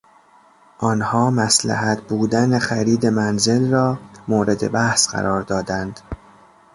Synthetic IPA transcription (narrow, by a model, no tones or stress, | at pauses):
ʔɒːnhɒːmæslæ̰hæt̪ʰbuːd̪ænexæɾiːd̪e̞mænze̞lrɒːmoːɾe̞d̪e̞̰bæhsɢæ̰ɾɒːɾd̪ɒːd̪ænd̪̥